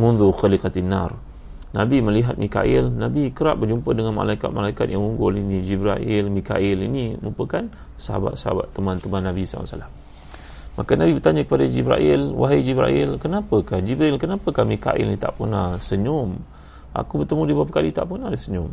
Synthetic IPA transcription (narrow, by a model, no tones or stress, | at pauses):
munðuxəlikat̪ina̰r | nabiməliɦat̪̚mʔika̰ʔilnabikəɾaʔbərd͡ʒumpədəŋanma̰laikat̪̚malaikat̪̚jaŋuŋɡʊlinid͡ʒibɾaʔɪlmika̰ʔɪlinimumpəkan | səɦa̰ba̰t̪səɦa̰ba̰t̪ːəmant̪əmanːabisa̰a̰a̰ʔsəlamː | akanabibərt̪aɲakəpadad͡ʒibɾa̰ʔɪlwaɦid͡ʒibɾa̰ʔɪlkənapəkahd͡ʒibɾailkənapəkahmika̰ʔḭlnit̪a̰ʔpunasəɲʊm | ʔa̰kubərt̪əmũdibaap̬əkalit̪aʔpunahdisəɲʊm